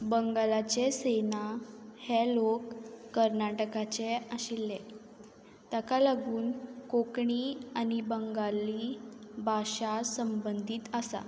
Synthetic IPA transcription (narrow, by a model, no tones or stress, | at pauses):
bəŋɡalat͡ɕesenahelokːəɾnaʈəkat͡ɕeaɕilːe | t̪akalaɡuːnkokɳianibəŋɡaliːbʱaɕasəmbənd̪ʱiːt̪əsa̰